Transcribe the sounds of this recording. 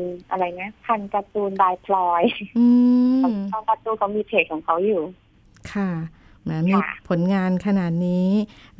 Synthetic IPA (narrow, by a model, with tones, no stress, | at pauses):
ʔa̰˧ɾa˧˩jna˦˥kʰa˧nka˧t̪uː˧nbaː˧jpʰlɔː˧jʔɯː˧˦˧t̪a˧˩nka˧t̪uː˧kʰa˧˦wmiː˧t̪ʰeː˧˩k̚ʰːɔː˩˦ŋkʰa˧˦˥wjuː˨˩ | kʰa˥˧˩ | ma˧˥˩miː˧pʰo˨˩˦nŋaː˧nkʰa˧naː˨˩t̪̚niː˦˥